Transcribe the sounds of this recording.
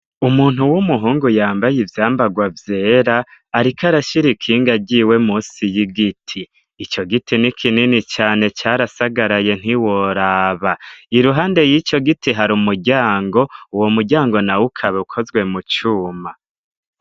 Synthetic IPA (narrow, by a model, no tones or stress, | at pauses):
umuːn̥ɦuwumuɦuːŋɡujaːmbajivjaːmbaɡwavje̞ːɾaːɾikaɾaʃiɾikʰiːŋɡaɟiwe̞muːsijiɡitʰiː | t͡ʃo̞ɡitʰinikʰininit͡ʃaːne̞t͡ʃaːɾasaɡaɾaje̞n̥iwo̞ɾaːβaiɾuɦaːnde̞jit͡ʃo̞ɡitiɦaɾumuɟaːŋɡo̞uwo̞muɟaːŋɡo̞nawukʰaβeukʰo̞zɡwe̞mut͡ʃuːma